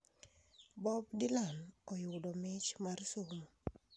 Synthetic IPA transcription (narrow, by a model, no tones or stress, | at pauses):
bɔb̚dɪlanɔjʊdɔmɪt͡ʃmarsomo